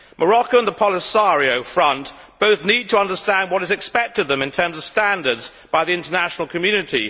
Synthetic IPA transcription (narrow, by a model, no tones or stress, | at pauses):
mʔəɹɑkoʊə̃nðəpʰɑlˠɪsɑɹioʊfɹʌ̃n | b̥oʊθnid̚tʰəʌ̃ndə˞stæ̃nd̚wʌɾɨzɨkspɛk̚tɨd̪̚ðə̃mɨ̃ntʰɜ̃˞mzʌv̥stæ̃ndə˞dz | b̥aɪðiɪ̃ntənæʃnl̩ˠkʰɨmjʉnɨɾi